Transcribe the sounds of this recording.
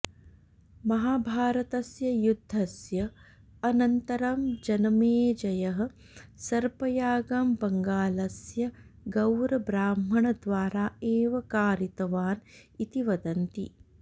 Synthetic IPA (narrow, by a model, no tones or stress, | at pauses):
mɐɦaːbʱaːɾɐt̪ɐsjɐjud̪ʱːɐsjɐ | ɐnɐnt̪ɐɾɐmd͡ʒɐnɐmeːd͡ʒɐjɐɦɐ̆ | sɐɾpɐjaːɡambɐŋɡaːlɐsjɐɡɐwɾɐbɾaːmɐɳɐd̪ʋaːɾaːeːʋɐkaːɾit̪ɐʋaːnit̪iʋɐd̪ɐnt̪ḭ